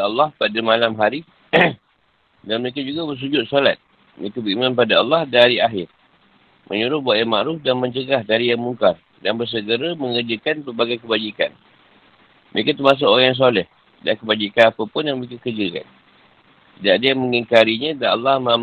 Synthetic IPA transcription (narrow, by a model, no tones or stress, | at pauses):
ɑlːɑhpadamalamɦaɾi | danməɾekad͡ʒuɡabərs̬ud͡ʒʊt̪̚solat̪̚ | mə̰ɾekabəɾimãnp̬adaɑlːɑhdaɾiaɦɪr | mʔəɲuɾʊhbuaʔ̪jama̰ʔɾʊfdanmə̃ɲt͡ʃəɡahdaɾijaŋmuŋkar | danbərs̬əɡəɾəməŋərd͡ʒəkanpərbaɡajkəbad͡ʒika̰n | mə̰ɾekat̪umas̬ʊʔoajaŋs̬olɛh | dakəbad͡ʒikanapəpʊnjaŋməɾekakərd͡ʒəka̰n | t̪idaʔadajaŋməŋiŋkaɾiɲə̃danɑ̰lːɑhmã